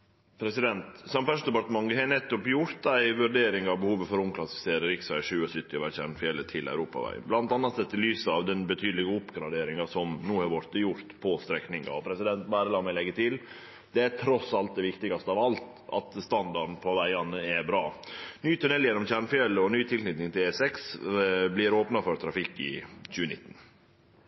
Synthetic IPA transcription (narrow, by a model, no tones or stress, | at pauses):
pʰɾɛsɪd̪ɛnt̪sɑmfæʂd̪ɛpɑɾʈ̪əmɑŋəɦɛnɛt̪ːɔpjʊɾt̪æɪʋʉɾɖeːɾɪŋɑʋbəhuːʋəfɔɾʊmkʰlɑsɪ̥fɪ̥seːɾəɾɪksʋæɪʂʉːɔsʏt̪ːɪɔʋæɾçæ̰ɾɳfɪɛlət̪ʰɪlæ̰ʉɾuːpɑ̰ʋæ̰ɪə̰nblɑnt̪ɑnɑt̪sɛt̪ːɪlyːsəɑʋd̪ɛnbət̪ʰyːd̪əlɪɡəʊpɡɾɑd̪eːɾɪŋɑsɔmnuːhɑɾʋɔɾt̪əjʊɾt̪pʰɔst̪ɾɛknɪŋɑ̰ɔpʰɾɛsɪd̪ɛnt̪bæːɾəlɑːmæɪlɛɡːət̪ʰɪl | d̪̥ɛæt̪ʰɾɔsɑlt̪̚d̪ɛʋɪkt̪ɪɡɑst̪əɑʋɑlt̪ | ɑ̰t̪st̪ɑnd̪ɑɾn̩pʰɔʋæɪɑnəɛbɾɑːnyːt̪ʉnɛlːjɛnːɔmçæɳfɪɛləɔnyːt̪ʰɪlsnɪt̪nɪŋt̪ʰɪlɛsɛksblɪɾoːpnɑfɔɾt̪ʰɾɑfɪkːɪ̰c͡çʉːənɪt̪ːn̩